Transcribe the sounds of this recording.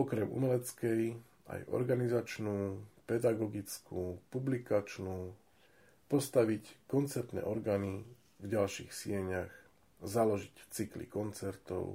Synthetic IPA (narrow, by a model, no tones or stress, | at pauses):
ɔkɾɛmṵmɛlɛt͡skɛj | a̰jʔɔ̰ɾɡanizat͡ʃnuːpɛd̪aɡɔɡit͡skuːpublikat͡ʃnuː | pɔst̪aʋickɔnt͡sɛɾt̪nɛ̰ːʔɔɾɡaːni | vɟalʃḭːxsɪɛɲax | zalɔʒict͡siklḭkɔnt͡sɛɾt̪ɔ̰ʊ